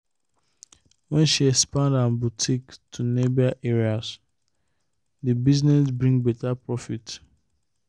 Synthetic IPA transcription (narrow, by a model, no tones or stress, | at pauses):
wɛ̃nʃiɛkspãndãnbutʰiktʰunebiaʔɛɹias | dibiznɛsbɹĩŋɡbɛtapɹɔfit